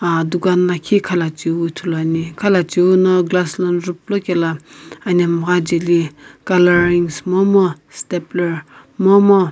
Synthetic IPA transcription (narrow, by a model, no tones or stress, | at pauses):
ad̪ukanlakʰikʰalat͡ʃiwut̪ʰulanikʰalat͡ʃiwunɔɡlaslanɾup̚lokʲelaanamɣad͡ʒelikalaɾiŋsmɔmɔ | st̪epləɹ | mɔmɔ